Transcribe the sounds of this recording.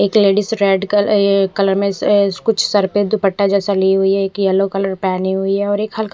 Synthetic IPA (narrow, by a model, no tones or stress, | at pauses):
eːkleːɖɪsɾɛːɖkkɐləɾmẽkʊt͡ʃʰsɐɾped̪ʊpəʈːad͡ʒɛːsaliɦʊiɦɛeːkjɐlokɐləɾpɛːniɦʊiɦɛɔːɾeːkhɐlk